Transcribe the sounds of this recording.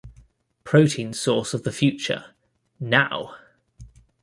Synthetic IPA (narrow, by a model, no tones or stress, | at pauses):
pʰɹ̥əʊtʰĩnsɔˑsəvðəfjʉˑt͡ʃə̰ | naʊ